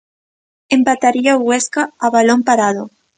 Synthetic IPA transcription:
empat̪aɾiaoɣweskaːβalompaɾaðo

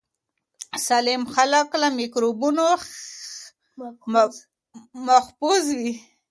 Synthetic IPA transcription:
salemxalaklamikɾobuno | maxpuzwi

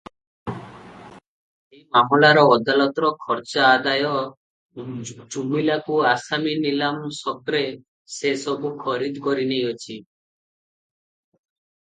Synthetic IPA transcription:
emamɔlaɾɔɔd̪alɔt̪ɔɾɔkʰɔɾt͡ʃaːd̪ajɔ | d͡ʒumilakuasaminilamsɔkɾe | sesɔbukʰɔɾid̪kɔɾinejɔt͡ʃʰi

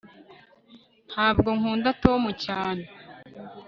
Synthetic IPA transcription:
n̥haːbɡo̞ŋuːndato̞ːmucaːne

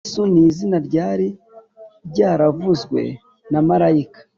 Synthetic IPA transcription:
suniːzinaɾɟaːɾi | ɾɟaːɾavuzɡwe̞̰ | namaɾaikḁ

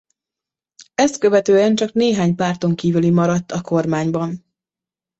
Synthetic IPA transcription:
ɛst̪̚kø̞vɛt̪øːɛnt͡ʃɒkneːɦaːɲpaːrt̪o̞ŋkiːvylimɒɾɒt̪ːɒko̞rmaːɲbɒn

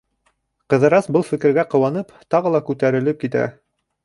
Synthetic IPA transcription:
qɤ̆ðɤ̆ɾɑsbɤlˠfɘ̆kɘ̆ɾɡæqɤ̆wɑnɤpt̪ɑʁɤlˠɑkʉt̪æɾɘ̆lɘp̚kit̪æ̰

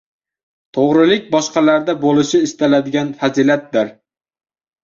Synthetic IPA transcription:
t̪ʰoʁɾɪlɪk̚ʲbɒʃqɑlaɾd̪abolɪʃɪːst̪alad̪ɪɡʲanfazilat̪̚d̪ɪɾ

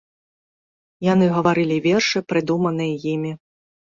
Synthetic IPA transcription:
janɨɣɐvaɾɨlʲivʲɛrʂɨpɾɨd̪umɐnɨjɐjimʲi

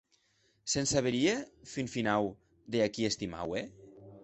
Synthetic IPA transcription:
sensaβeɾiefinfinaw | d̪eakiest̪ima̰we

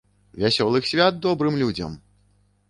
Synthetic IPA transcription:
vʲasʲɔlˠɨxsʲvʲad̪̚d̪ɔbɾɨmlʲud͡zʲɐ̰m

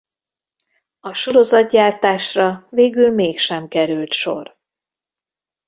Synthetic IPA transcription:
ɒʃo̞ɾo̞zɒd̪̚ɟaːrt̪aːʃrɒveːɡylmeːkʃɛmkɛɾylt̪ʃo̞̰r

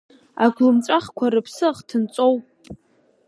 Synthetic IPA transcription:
aɡʷlɨmt͡sʷʼaχkʷʰaɾɨpʰsɨχtʰɨnt͡sʷʼo̞wp

